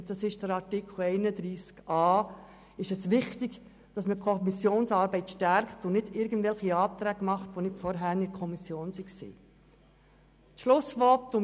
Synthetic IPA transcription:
d̥ɑsɪʃd̥əɾɑɾtɪkʰl̩ɛɪnədɾiːskɑː | ɪʃɛsʋɪχtɪɡ | d̥ɑsməkʰɔmisjoːnsɑːɾbɛɪtʃtæɾktʊnɪdɪɾɡən̩dvɛlχiɑːt̪ɾæːɡmɑχtʋonɪtfɔɾɦæɾnɪkʰɔmisjoːnsiksḭː | t̪ʃlʊsʋɔtːʊ

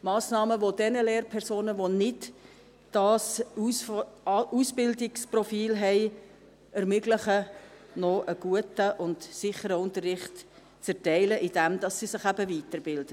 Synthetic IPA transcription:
mɑːsnɑːməʋodɛnəleːɾpʰɛɾsoːnəʋonɪd | d̥ɑːs | usbɪldɪksprɔfiːlɦɛɪ | ɛɾmʏɡlɪχənɔʔəɡ̥uətəʔʊntsɪχəɾəʊntərːɪχt | t͡sɛrtɛɪləʔɪd̥ɛmd̥̪ɑsːisɪχæbəviːtəɾbɪld̥ə

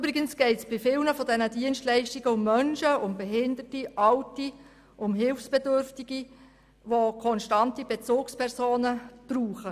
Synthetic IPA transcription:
ybɾɪɡənsɡ̥ɛɪtsb̥ɪfɪlnəfɔdɛnədiənstlɛɪʃtiɡəʊmːœnʃəʊmbeɦɪnd̪ətiɑwti | ʔʊmɦɪlfsb̥edʏrftiɡ̥i | ʋokʰɔnʃtɑntib̥et͡suːkspʰɛrsoːnəb̥ruːχə

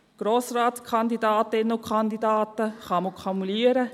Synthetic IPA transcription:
ɡ̥ɾoːsraːtskʰɑnd̪idaːtɪnəʊkʰχɑnd̪idɑːtəχɑməkʰomuliːəɾə

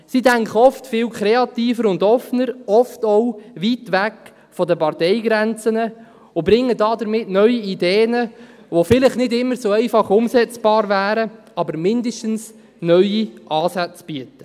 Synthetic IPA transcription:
sidæŋkəɔftfɪːwkʰɾeɑtiːfəɾʊndɔfnəɾɔftowʋitʋæk | fɔdəpɑrtɛɪɡɾɛnt͡sənə | ʊbɾɪŋːədɑːdəɾmɪtnœʏiideːnə | ʋofɪlɪχnɪdɪmːəɾsoɛɪfɑχʊmsɛt͡sb̥ɑːɾvæːɾə | ɑbəɾmɪndəʃtəns | nœɥiʔɑːsæt͡sb̥iətə̥

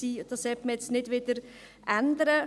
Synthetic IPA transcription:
iːd̥̪ɑsɛpməjɛt͡stnɪd̥ʋɪd̥̪əɾ | ʔænd̪əɾə

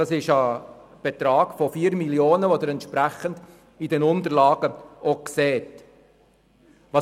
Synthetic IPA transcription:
ɑsɪʃə | b̥ɛt̪ɾɑːɡ̥fɔfiːɾmiljoːnəʋod̪əɾɛntʃpɾæχənd̥ | idɛnʊnt̪əɾlɑːɡ̥əʔokseːt | ʋɑ

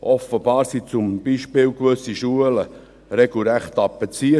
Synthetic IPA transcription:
ʔɔfəb̥ɑːɾsit͡sʊmb̥iːʃpɪːwkʋøsiʃuələ | ɾɛɡ̥l̩ɾæχt̪ɑpːɛt͡siə

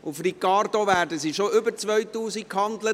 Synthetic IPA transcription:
ʊfrikɑrdoʋæːɾdəsiʃoʔʏbəɾt͡sʋœɥtuːsikkhɑndlə

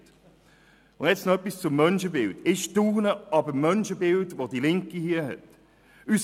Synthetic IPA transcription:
t | ʊndjɛt͡snɔœpːist͡sʊmːœnʃəbɪldɪʃtuːnəɑbəmœnʃəbɪldvodilɪŋkihiəɦɛ̰t | ys

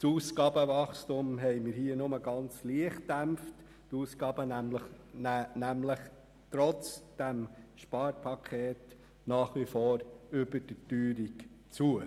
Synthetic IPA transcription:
suːskɑːbəvɑχstumɦɛɪmɪɾhiːənʊməɡɑnt͡sliəχt̚d̥æmft | tuːskɑːbənæmlə | næmləχ | tɾɔt͡sd̥æmʃpɑːɾpʰɑkʰeːt | nɑːχʋifoːɾʏbəd̥ətyːɾik | t͡suə

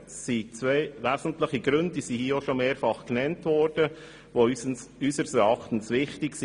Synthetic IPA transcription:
sit͡sʋeɪʋæzn̩tlɪχiɡɾʏndisihiːəoʃomeːɾfɑχknɛntʋɔɾd̥ə | ʋoysəɾsɛɾɑχtn̩sʋɪχtɪksi

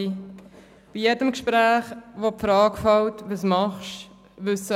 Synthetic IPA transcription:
b̥ijedəmkʃpɾæːχʋopfɾɑːkfɑwtʋəsmɑχʃ | ʋʏsə

